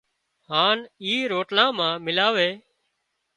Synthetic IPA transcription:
ɦaːniːɾoːʈlãːmãːmɪlaːʋeː

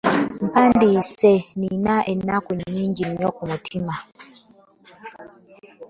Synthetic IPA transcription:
m̩pandisɛninaʔɛnakuɲɲiŋɡimɔkumutʰima

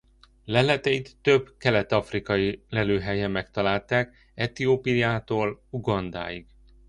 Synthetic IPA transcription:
lɛlɛt̪ɛit̪ːø̞bkɛlɛt̪ɒfrikɒjilɛløːɦɛjɛmːɛkt̪ɒlaːlt̪aːk | ɛt̪ioːpijaːt̪oːluɡɒnd̪a̰ːjiɡ̥

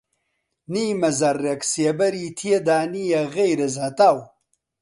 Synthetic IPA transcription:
niːmɐzɐɾːeksiɐbɐɾit̪ʰijed̪aːnijɐɣejɾɐzɐt̪aw

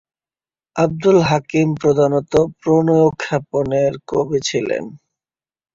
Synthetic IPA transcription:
ab̚d̪ulɦakimpɾod̪ʱanot̪opɾonojokʰːɛponeɾkobet͡ɕʰilḛn

